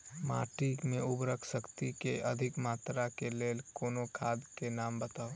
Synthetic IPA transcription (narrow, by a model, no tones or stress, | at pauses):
maːʈikmẽʊbɾəkʰsəkt̪ikeʔəd̪ʱɪkmaːt̪ɾakeleːlkoːnokʰaːd̪kenaːmbət̪aːo